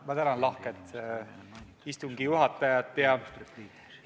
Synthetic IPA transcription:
mɑt̪ænɑnlɑhket̪ | ist̪uŋɡijuɦɑt̪ːˑɑjɑt̪ːˑjɑ

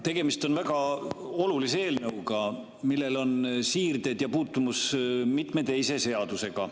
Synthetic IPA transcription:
t̪e̞ɡ̥e̞mist̪o̞nvæɡ̥ɑo̞lulisee̞ːlnɤwkɑ | milːe̞lo̞nsiːrd̪e̞d̪̥jɑpuːt̪ːumusmit̪ˑme̞t̪e̞jse̞se̞ɑd̪use̞ɡ̥ɑ

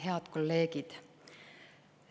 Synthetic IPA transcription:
he̞ɑt̪kolːe̞ːɡ̥id̪̥

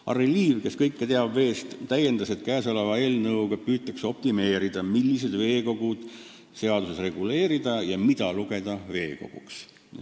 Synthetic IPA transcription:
ʔɑ̰reliːvke̞skɤjkːet̪eɑbve̞ːst̪t̪ːæje̞nd̪ɑse̞t̪kæːso̞levɑe̞ːlnɤwɡ̥ɑpyːt̪ːˑɑkso̞p̚t̪ime̞ːɾid̪̥ɑmilːise̞d̪ve̞ːko̞ɡ̥ud̪̥ | se̞ɑd̪usesre̞ɡ̥ule̞ːɾid̪̥ɑjɑmid̪ɑluɡ̥e̞d̪̥ɑve̞ːko̞̰ɡ̥uks

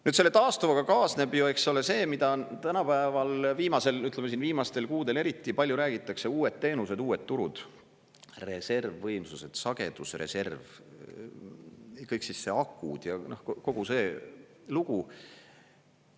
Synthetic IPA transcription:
nyːd̪se̞lːet̪ɑːst̪uvɑkɑkɑːsne̞bjue̞kso̞le̞se̞ːmid̪ɑt̪ænɑpæevɑlviːmɑse̞lyt̪lemesinviːmɑst̪e̞lkuːd̪e̞le̞ɾit̪ːˑipɑlʲjuɾæːɡ̥it̪ːˑɑkse̞uːe̞t̪ːe̞ːnused̪uːe̞t̪ːuɾud̪̥ | re̞se̞rvːɤjmsuse̞d̪̥sɑɡ̥e̞̰d̪̥usre̞̰se̞rv | kɤjksisːeɑkːˑud̪̥jɑnohkko̞ɡ̥use̞ː | luɡ̥u

